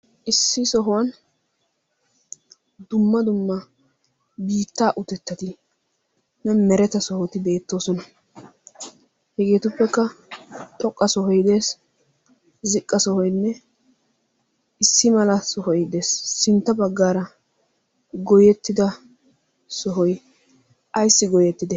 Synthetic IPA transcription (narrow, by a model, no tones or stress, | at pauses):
ʔɪsːɪsɔɦʊwɐn | d̪ʊmːɐd̪ʊmːɐ | biːt̪ːaːʔʊt̪ɛt̪ːɐt̪ɪ | nɛmɛɾɛt̪ɐsɔhɔt̪ɪbe̞ːt̪ːo̞ːsɔnɐ | hɛɡe̞ːt̪ʊpːɛkːɐt̪ʼɔkʼːɐsɔɦɔjd̪e̞ːs | zɪkʼːɐsɔhɔjnːɛ | ɪsːɪmɐlɐsɔhɔjd̪e̞ːsːɪnt̪ːɐbɐɡːaːɾɐ | ɡɔjɛt̪ːɪd̪ɐ | sɔɦɔj | ʔɐjsːɪɡɔjɛt̪ːɪd̪ɛ